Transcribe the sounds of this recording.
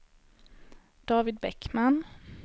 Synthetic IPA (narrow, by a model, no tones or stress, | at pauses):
d̪̥ɑːvɪd̪̚bɛkman